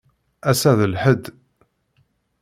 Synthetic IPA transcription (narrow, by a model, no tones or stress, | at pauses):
æsæðəlħəd̪ː